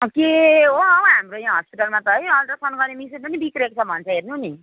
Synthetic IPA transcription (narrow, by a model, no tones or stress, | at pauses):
ʌkeɦoɦamɾojãɦʌspiʈʌlmat̪ʌɦʌjʌlɾʌsʌnuɡʌɾnemisenpʌnibikɾekt͡sʰʌbʱʌnt͡sʰʌɦernuni